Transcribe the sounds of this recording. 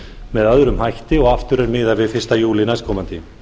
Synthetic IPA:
mɛðaðʏɾʏmhajht̪ɪɔɣaft̪ʏɾɛɾmɪːðaɾvɪðfɪ̥st̪ajuːlɪnaskʰɔːmant̪ɪ

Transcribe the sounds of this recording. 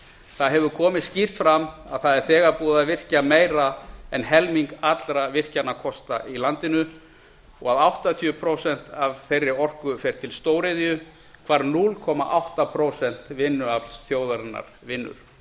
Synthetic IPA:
θaðɦɛvʏɾkʰɔːmɪðscir̥t̪fɾamaðθaðɛɾ̥θɛːɣapuːðavɪr̥cameːjɾaɛnɦɛlmiŋkat̪lɾavɪr̥canakʰɔst̪ailant̪ɪnʏ | ɔɣaðawht̪at̪ʰiʏpʰɾowsɛn̥t̪avθejrːɪɔr̥kʏfɛɾ̥t̪ʰɪlst̪oːwɾɪðjʏ | kʰv̥aɾnulkʰɔma̰ʔawht̪apʰɾoːwsɛn̥t̪vɪnːʏaplsθjoːwðaɾɪnːa̰ɾ̥ | vɪnːʏ̰ɾ̥

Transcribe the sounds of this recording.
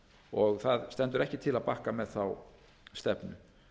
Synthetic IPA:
ɔɣθaðst̪ɛnt̪ʏɾɛhcɪt̪ʰɪlaðpahkamɛðθaw | st̪ɛpnʏ̰

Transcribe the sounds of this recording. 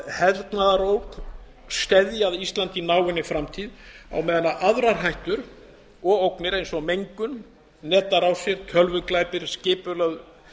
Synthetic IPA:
hɛɾt̪naðaɾowk | st̪ɛðjaðist̪lant̪inaːwɪnːɪfɾamt̪ʰiða̰wmɛðɪnaʔaðɾaɾɦajht̪ʏɾ | ɔɣowknɪɾejnsɔmejŋkʏnː | ɛːt̪aɾawsjɛɾ̥t̪ʰœlvʏklajpɪɾ̥scɪːpʏlað

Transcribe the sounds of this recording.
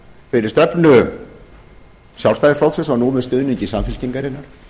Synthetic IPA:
fɪɾɪɾ̥st̪ɛpnʏ | sjawrst̪ajðɪɾflawksʏsanuːmʏst̪ʏːðniɲcɪsamfɪl̥ciŋkaɾɪnːaɾ̥

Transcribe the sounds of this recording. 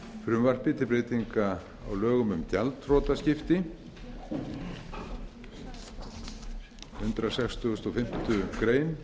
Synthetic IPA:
fɾʏmvar̥pɪt̪ʰɪpɾeːjt̪iŋka | awlœːɣʏmʏmt̪jalt̪rɔːt̪ascɪft̪ɪ | hʏnt̪ɾasɛkst̪ʰʏɣʏst̪ɔfɪm̥t̪ʏkɾeːjn

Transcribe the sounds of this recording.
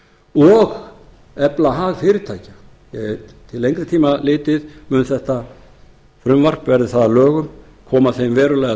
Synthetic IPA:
ɔɣ | ɛplaɦaːɣfɪːɾɪ̥t̪ʰaːjcḁ | jɛt̪ʰɪlejŋkɾɪ̥t̪ʰiːmalɪːt̪ɪðmʏːnθɛht̪a | fɾʏmvar̥pvɛɾðɪθaðalœːɣʏm | kʰɔːmaθeːjmvɛːɾʏlɛjɣa

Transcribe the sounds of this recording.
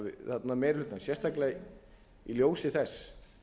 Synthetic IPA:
vɪθat̪namɛjɾɛt̪nasjɛst̪akleɣ | iljoːwsɪθɛsː

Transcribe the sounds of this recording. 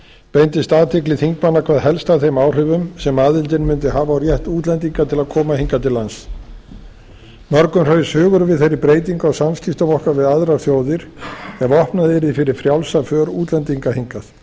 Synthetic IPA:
pejnt̪ɪst̪aːðt̪ʰɪklɪθiŋkmanːakʰv̥aːðɦɛlst̪aθejmaːwr̥ʏvʏmsɛmaːðɪlt̪ɪnmʏnt̪ɪɦaːvaːwrjɛht̪uːt̪lɛnt̪̬iŋkat̪ʰɪlaðkʰɔːmahiŋkat̪ʰɪlːans | mœɾkʏmr̥œɥsʏːɣʏɾvɪðθejɾɪpɾeːjt̪iŋkaɔɣwsamscɪst̪ʏvɔhkavɪðaðɾaɾ̥θjoːwðɪɾ̥ɛvɔhpnaðɪɾɪfɪɾɪɾ̥fɾjawlsafœːɾuːt̪lɛnt̪iŋkahiŋkaθ

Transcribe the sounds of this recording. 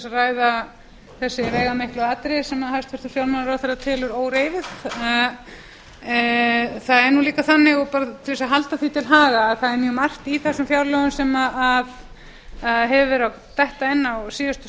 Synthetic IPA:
saraːjða | θɛsːɪveːjɣamehklʏaːt̪ɾɪsɛmaðhajst̪fɛɾ̥t̪ʏfjawlɾmanaɾawθaɾat̪ʰɪːlʏɾoːwɾeːjvɪθ | θaðɛɾnuliːkaθanːɪɣɔpaːɾat̪ʰɪlvisaɦalt̪aθit̪ʰɪlɦaːɣaːðθaðɛɾmjœːmar̥t̪iθɛsːʏmfjawɾlœɣʏnsɛmaað | aðɦɛvɪɾaw | t̪ɛht̪aɛnːasiːjʏst̪

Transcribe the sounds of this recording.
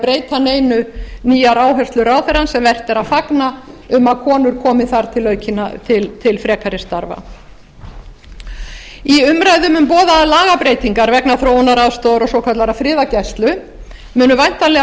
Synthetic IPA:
pɾeːjt̪aneːjnʏniːjaɾaːwɦœrst̪lʏɾaːwθɛɾansɛmvɛr̥t̪ɛɾaðfaknaʏmaðkʰɔːnʏɾ̥kʰɔːmɪθaɾ̥t̪ʰɪlœːɥcʰɪnat̪ʰɪlt̪ʰɪlfɾɛːkʰaɾɪst̪aɾva̰ | iʏmɾajðʏmʏmpɔːðaːðlaːɣapɾeːjt̪iŋkaɾvɛknaθɾoːwnaɾaðst̪oðɾɔsɔwkʰat̪laɾafɾɪːðacast̪lʏ | mʏːnʏvajn̥t̪alɛ

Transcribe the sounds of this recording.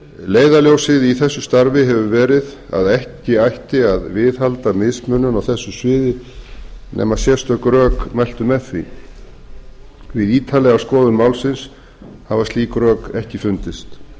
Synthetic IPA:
leːjðaljowsɪðiθɛsːʏst̪aɾvɪɦɛvʏvɛːɾɪð | a̰ðɛhcɪajhcɪaðvɪðhalt̪amɪðsmʏnːʏnawθɛsːʏsvɪːðɪ | nʔɛ̰ːmaðsjɛst̪œkɾœːkmajl̥t̪ʏmɛθvḭ | vɪðiːt̪ʰalɛɣaskɔːðʏnmawlsɪns | havast̪liːkɾœːkɛhcɪfʏnt̪ɪst̪

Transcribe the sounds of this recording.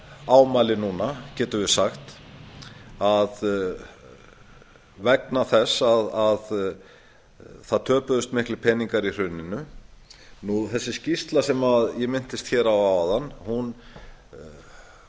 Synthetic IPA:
aːwmalɪnuːnacɛːt̪ʏvɪsaxt̪ | að | vɛknaθɛsːaðað | θaðt̪ʰœːpʏðʏst̪mɪhklɪpʰɛniŋkaɾir̥ʏnːɪnʏ | nuθɛsːɪscist̪lasɛmaðjɛmɪn̥t̪ɪst̪çɛːɾawaðanːhun

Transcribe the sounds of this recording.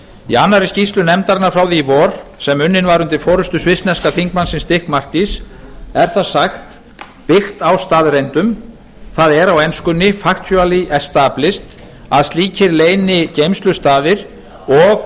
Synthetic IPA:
ḭanːaɾiscist̪lʏnɛmt̪aɾnːaɾfɾaːwðiːvɔːɾ̥sɛmʏnːɪnvaɾʏnt̪ɪɾfɔːɾʏst̪ʏsvɪsnɛskafiŋkmansɪnst̪ɪhkmar̥t̪isɛɾ̥θaðsaxt̪ | pɪxt̪awst̪aːðɾejnt̪ʏm | θaðɛɾawɛnskʏnːɪfaxt̪sjœaliɛst̪aːplɪst̪ | aðst̪liːcʰɪɾleːjnɪcejmst̪lʏst̪aːðɪɾ̥ | ɔɣ

